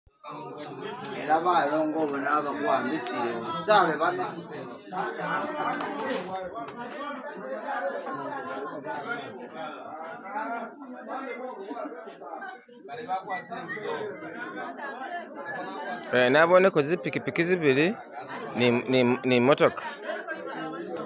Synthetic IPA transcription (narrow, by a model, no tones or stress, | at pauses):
eɾaβaːjoːŋɡoːβonaβaβwaːmbisiɾeisaːβeβana | enaβonekozipikipikiziβili | nimotokḁ